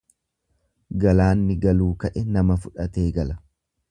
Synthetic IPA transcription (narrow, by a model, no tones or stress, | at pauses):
ɡɐlaːnːɪɡɐluːkɐʔɛnɐmɐfʊᶑɐt̪e̞ːɡɐlɐ